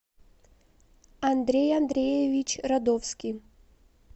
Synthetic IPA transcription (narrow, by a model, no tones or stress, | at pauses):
ɐnd̪ɾʲejɐnd̪ɾʲejevʲit͡ɕrɐd̪ofskʲij